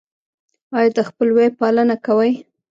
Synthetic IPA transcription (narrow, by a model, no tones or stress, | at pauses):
ɑjd̪əxpəlwepɑlənakawəj